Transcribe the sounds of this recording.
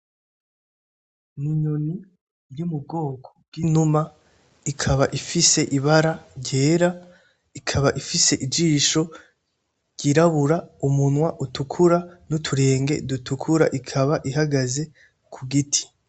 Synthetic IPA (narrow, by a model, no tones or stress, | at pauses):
niɲoni | jumub̚ɡo̞ːkʰo̥b̥ɡ̥inuma | ikʰaβaʔifise̞ʔiβaɾaɾɟe̞ːɾa | ikʰaβaʔifise̞ʔid͡ʒiːʃo̞ | ɟ̥iɾaβuɾaumunwaʔutukʰuɾanutʰuɾe̞ːŋɡe̞̰dutukʰuɾa̰ʔikʰaβaʔiɦaɡaze̞ | kʰuɡitʰi̥